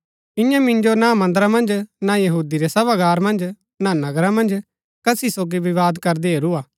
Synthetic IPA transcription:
ɪ̃jãmɪ̃nd͡ʒonamɐ̃nd̪ɾãmɐ̃nd͡ʒnajɐɦuːd̪iɾesɐbaɡaːɾmɐ̃nd͡ʒ | nanɐɡɾãmɐ̃nd͡ʒ | kɐsisoːɡiʋɪʋaːd̪kɐɾd̪eɦeːɾuaː

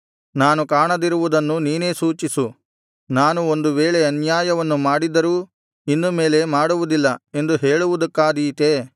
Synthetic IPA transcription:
naːnukaːɳɐd̪iɾuʋud̪ɐnːuniːne̞ːsuːt͡ʃisu | naːnuo̞nd̪uʋeːɭeɐnjaːjɐʋɐnːumaːɽid̪ɐɾuː | inːume̞ːle̞maːɽuʋud̪ilːɐe̞nd̪uɦe̞ːɭuʋud̪ɐkːaːd̪iːt̪e

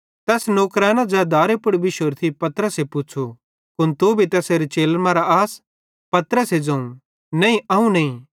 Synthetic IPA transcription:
t̪ɛːsnoːkɾɛːnãd͡ʒɛːd̪aːɾepʊɽbʱiʃoːɾt̪ʰipɐt̪əɾəsepʊt͡ʃʰo | kʊnt̪ubʱit̪ɛːseːɾet͡ʃeːlmãɾaaːs | pɐt̪ɾəsed͡ʒɐ̃ũ | nɐ̃ĩʔɐɦũnɐĩ

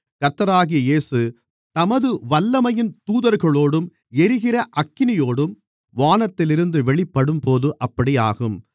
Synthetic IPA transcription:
kɐɾt̪ɐɾaːɣɪjɐjeːsɯ | t̪ɐmɐðɯʋɐlːɐmɐjɪnt̪uːðɐɾɣɐɭoːɽɯm | ɛɾɯɣɪrɐʔɐkːɪnɪjoːɽɯm | ʋaːnɐt̪ːɪlɪɾɯnd̪ɯʋɛɭɪpːɐɽɯmpoːðɯʔɐpːɐɽija̰ːɣɯm

